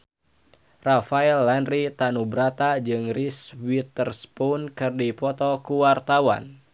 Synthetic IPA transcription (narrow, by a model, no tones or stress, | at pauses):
rafaɛlːanrit̪anubɾat̪ad͡ʒɨŋriswit̪ərspɔnkɨrdipɔt̪ɔkuwart̪awa̰n